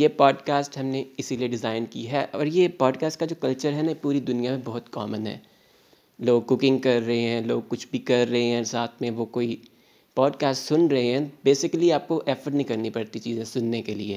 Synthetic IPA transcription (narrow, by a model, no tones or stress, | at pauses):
jeːpɔːɖkaːsʈɦɐmneɪsilieɖɪzaːɪnkiɦɛʔɔːɾjepɔːɖkaːsʈkad͡ʒoːkɐlt͡ʃəɾɦɛnapuːɾid̪ʊnijamẽbɐɦʊt̪kɔ̰ːmənɦɛ̰ː | loːɡ̚kʊkɪ̃ŋɡ̚kɐɾːɐɦeɦɛ̃ːloːɡ̚kʊt͡ʃʰbʱikɐɾːɐɦeɦɛ̃ːsaːt̪ʰmẽʋokoːi | pɔːɖkaːsʈsʊnɾɐɦeɦɛ̃beːsɪkəliaːp̚koʔɛːfəɾɖnɐɦĩkɐɾnipɐɾt̪it͡ʃiːzẽsʊnːekelie